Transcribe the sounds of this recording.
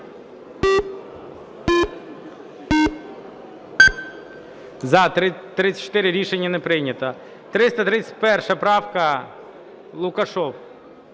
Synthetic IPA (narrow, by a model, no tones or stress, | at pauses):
zɐt̪ɾɪt̪ːɾɪt͡sʲsʲɐ̥t͡ʃːɔ̥t̪ɪɾɪɾʲiʃenʲːɐnepɾɪjnʲɐt̪ɐ | t̪ɾɪst̪ɐt̪ɾɪt͡sʲːɐ̥t̚ʲpɛrʃɐpɾɑwkɐ | lˠʊkɐʃɔp